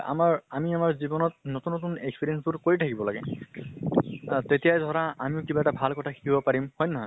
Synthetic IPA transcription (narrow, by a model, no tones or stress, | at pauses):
a̰maɹamiamaɹzibɔnɔt̚notunːot̬unekspiɹiɛnsbuɹkoɹitʰakibɔlaɡɛ̰ | tetijajdʱɔɹaamiʊkibaɛtabʱalkɔtʰakʰi̥kibɔpaɹimhɔjnɔɦɔ